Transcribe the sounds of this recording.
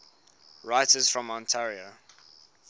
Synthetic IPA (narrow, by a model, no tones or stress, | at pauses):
ɹaɪtəz̥fɹɔ̃mɔ̃ntʰɛɹio